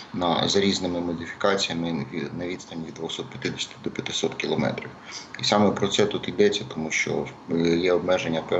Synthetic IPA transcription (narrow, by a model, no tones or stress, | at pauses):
nɐ̰zɐɾʲiznɪmɪmɔdʲifʲi̥kɑt͡sʲijɐmɪʋʲnɐʋʲid̪st̪ɐnʲʋʲid̪d̪ʋɔxsɔt̪̚pʲjɐt̪ɪd̪esʲt̪ɪd̪ɔpʲjɐt̪ɪsɔt̪kʲilˠɔmɛ̰t̪ɾʲiwisɑmɛpɾɔt̪sɛt̪ut̪id̪ɛt͡sʲːɐt̪ɔmuʃt͡ʃɔ̰jɛɔbmɛʒenʲːɐpɛ